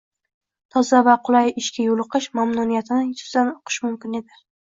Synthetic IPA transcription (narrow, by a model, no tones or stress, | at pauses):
t̪ʰɒzavaqʰʊlˠajɪʃkʲajolˠɨqɨʃmamnunijat̪ʰɪnɪjʊz̥d̪anoqʰɨ̥ʃmʊmkʲɪne̞d̪ɪ